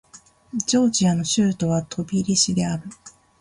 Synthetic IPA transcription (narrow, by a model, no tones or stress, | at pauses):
d͡ʑo̞ːd͡ʑiano̞ɕɨːt̪o̞β̞at̪ʰo̞bʲiɾʲiɕid̪e̞aɾɯ̟